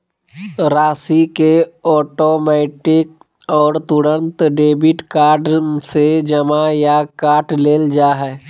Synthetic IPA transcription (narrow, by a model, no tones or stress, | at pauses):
ɾaːsikeɔːʈoːmɛːʈɪk̚ | ɔːɾt̪ʊɾə̃nt̪ɖeːbɪʈkaːɖsed͡ʒəmajakaːʈleːld͡ʒaːɦɛː